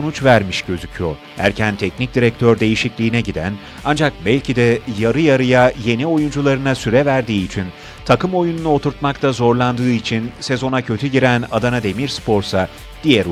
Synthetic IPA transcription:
onut͡ʃvæɾmiʃɟ̥ø̞zycʰyjo̰ɾ | hæ̰ɾcʰænt̪ʰɛcnic̚d̪iɾɛc̚t̪ʰøɾd̪e̞jiʃiclʲiːnɛɟid̪æ̰n | and͡ʒak̚bælʲcʰid̪ɛjaɾɯjaɾɯjaje̞nio̞jund͡ʒulˠaɾɯnasyɾɛvæɾd̪iːt͡ʃʰin | t̪ʰakɯmo̞jununuo̞t̪ʰuɾt̪makt̪ʰazo̞ɾlˠand̪ɯːit͡ʃʰinse̞zo̞nacʰø̞t̪ʰyɟiɾæna̰d̪anad̪e̞miɾspʰo̞ɾsa | d̪̥ijɛɾ

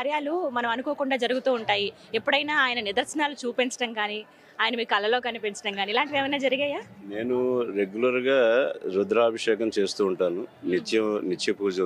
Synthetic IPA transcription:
kaːɾjaːlumɐnɐmɐnukoːkuɳɖaːd͡ʒɐɾuɡut̪uːuɳʈaːji | epːuɽɐjnaːaːjɐnɐnid̪ɐɾsɐnaːlut͡ʃuːpent͡ʃɐ̥ʈɐŋkaːni | aːjɐnɐmiːkɐlɐlo̞ːkɐnipint͡ʃɐ̥ʈɐŋkaːnilaːɳʈiʋeːmɐjnaːd͡ʒɐɾiɡɐːjaːne̞ːnuɾeɡjulɐɾɡaːɾud̪ɾaːbʱɐʂɛːkɐmt͡ʃe̞ːst̪uːɳʈaːnunit͡ʃːjɐnit͡ʃːjɐpuːd͡ʒɐ

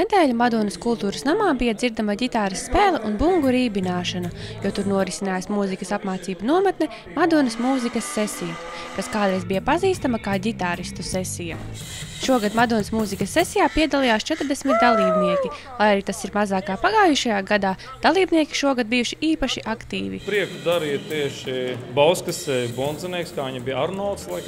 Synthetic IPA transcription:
ned̪ɛːlʲumad̪uɔnɐskulˠt̪uːɾəsnamaːbijɐd̪ziɾd̪amɐɟʲit̪aːɾist̪ːpɛːlˠɐʔunbuŋɡuɾiːbinaːʃɐnɐjuɔt̪uɾnuɔɾisinaːjasmuːzikɐsapmaːt̪siːbunuɔmat̪nɛ | mad̪uɔnɐsmuːzikɐsːɛsijɐ | kaskaːd̪ɾɛjzbijɐpaziːst̪amɐkaːɟʲit̪aːɾist̪usɛsijɐ | ʃuɔɡad̪mad̪uɔnɐsmuːzikɐsːɛsijaːpiɛd̪alˠijaːst͡ʃɛt̪ɾd̪ɛsmit̪̚d̪alˠiːbniɛkʲilˠajaɾiːt̪asiɾmazaːkaːpaɡaːjuʃajaːɡad̪aː | d̪̥alˠiːbniɛkʲi̥ʃuɔɡad̪̚bijuʃiiːpaʃiʔakt̪ḭːvḭpɾiɛkud̪aɾiːt̪iɛʃibawskɐsɛbɔnd̪zɛniɛkskaːiɲabijaɾnɔlˠt̪slˠaj

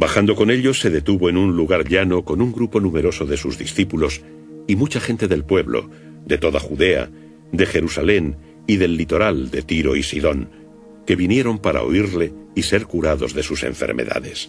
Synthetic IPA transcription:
baxand̪o̞ko̞ne̞ʎo̞sːe̞ðe̞t̪uβo̞enunluɣaɾʎano̞ko̞nuŋɡɾupo̞nume̞ɾo̞so̞ðe̞suzðisθipulo̞s | imut͡ʃaxẽ̞nt̪e̞ðe̞lpwe̞βlo̞̰ | d̪e̞t̪o̞ðaxuðe̞a̰ | d̪e̞xe̞ɾusale̞n | iðelːit̪o̞ɾald̪e̞t̪iɾo̞isiðo̞n | ke̞βinje̞ɾo̞mpaɾa̰o̰iɾle̞ise̞ɾkuɾaðo̞̰zðe̞suse̞̰ɱfḛɾmḛða̰ðe̞̰s

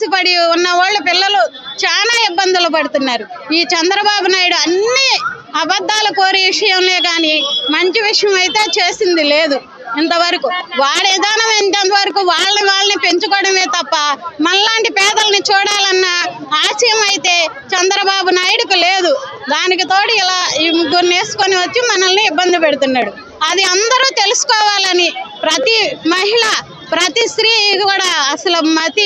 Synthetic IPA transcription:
sipɐɽiunːɐʋaːɭːupilːɐlu | t͡ʃaːnaːibːɐnd̪ʱulupɐɽut̪unːaːɾu | iːt͡ʃɐnd̪ɾɐbaːbunaːjuɽuɐnːi | ɐbɐd̪ːaːluko̞ːɾiʋiʂɐjɐmle̞ːkaːnimɐɲt͡ʃiʋiʂɐjɐmɐjit̪e̞ːt͡ʃe̞ːsind̪ileːd̪u | int̪ɐʋɐɾɐkuʋaːɭid̪aːnɐmɐnt̪ɐnt̪ɐʋɐɾɐkuʋaːɭːɐniʋaːɭːɐnipe̞ɲt͡ʃukɔːɽɐme̞ːt̪ɐpːɐmɐnɐlaːɳʈipɛːd̪ɐlɐnit͡ʃuːɽaːlɐnːɐaːsɐjɐmɐjit̪e̞ː | t͡ʃɐnd̪ɾɐbaːbunaːjuɽukule̞ːd̪ud̪aːnik̬it̪o̞ːʈiilaːimɡuɾneːsu̥koniʋɐt͡ʃ̪ːjumɐnɐlniibːɐnd̪ipeɽut̪unːaːɽu | ɐd̪iɐnd̪ɐɾuːt̪e̞lusu̥kɔːʋaːlɐnipɾɐt̪imɐɦiɭa | pɾɐt̪isɾiːkuːɽaːɐsɐlɐmɐt̪i

